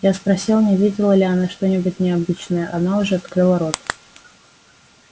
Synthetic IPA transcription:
jaspɾɐsʲilˠnʲɪvʲedʲɪlˠəlʲɪɐnaʂt̪o̞nʲɪbʊtʲnʲɪɐbɨt͡ɕnəjəʔɐnaʊʐɛɐt̪kɾɨlˠəɾo̞t̪

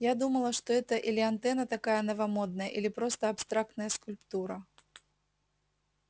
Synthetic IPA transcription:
jad̪umɐlˠɐʂt̪ɔɛt̪ɐʔilʲɪant̪ɛnɐt̪akajɐnɐvamɔd̪̚nɐjɐʔilʲipɾɔst̪ɐːpst̪ɾakt̪nɐjɐskulʲpt̪uɾɐ

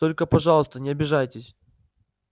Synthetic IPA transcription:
t̪o̞lʲkəpɐʐɑlˠəst̪ənʲɪɐbʲɪʐajtʲɪsʲ

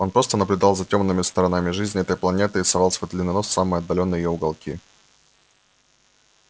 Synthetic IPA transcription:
o̞npɾo̞st̪ənəblʲʉd̪ɑlˠzɐtʲo̞mnːɨmʲɪst̪əɾɐnamʲɪʐɨzʲnʲɪɛt̪əjplˠɐnʲe̞t̪ɨɪsɐvɑlˠsʲvojd̪lʲɪnːɐno̞sːamɨjɐd̪ːɐlʲo̞nːəjɪjoʊɡɐlˠkʲḭ

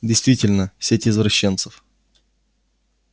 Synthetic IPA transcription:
dʲɪjst̪vʲitʲɪlʲnəfsʲetʲɪzvɾɐɕːent̪səf

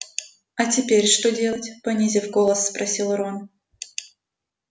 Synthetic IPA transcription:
ɐtʲɪpʲeɾʲʂt̪odʲe̞lˠətʲpɐnʲizʲɪfɡolˠəsːpɾʔɐsʲilˠɾon

